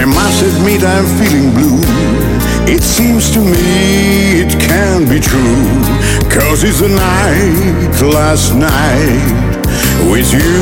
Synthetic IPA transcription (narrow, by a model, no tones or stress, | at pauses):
masɨvmiɾãɪɨ̃ɱfilˠɪ̃ŋblu | ɪtsĩmz̥tʰɨmi | ɪt̚kʰɨ̃nb̥itʰɹ̥u | kʰʌzɨzɨnaɪɪ | læsnaɪɪ | t̚ | wɪðjɨ